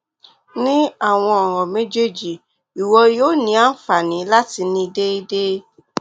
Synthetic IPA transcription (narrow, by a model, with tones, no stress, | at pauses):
nĩ˦a˦˨w̃ɔ̃˧ɔ˨ɾ̃ɔ̃˨me˦d͡ʒe˦d͡ʒi˨ | i˨wɔ˧joː˦nĩ˧˦a˦n̩˦fa˨nĩ˨˦la˦ti˧nĩ˧de˦i˦de˦